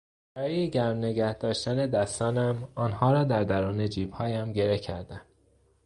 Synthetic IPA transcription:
b̥æɾɒːjeɟæɾmne̞ɡæhd̪̥ɒːʃt̪æne̞d̪æst̪ɒːnæmɒːnhɒːɾɒːd̪æɾd̪æɾuːne̞d͡ʒiːb̥hɒːjæmɟe̞ɾehcʰæɾd̪æm

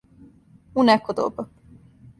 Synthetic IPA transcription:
unɛkod̪o̰b

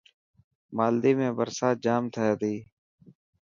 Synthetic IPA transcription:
maːld̪iːmẽːbəɾsaːd͡ʒaːmt̪ʰəjaːd̪iː

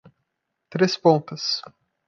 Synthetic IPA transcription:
t̪ɾespõt̪ɐs

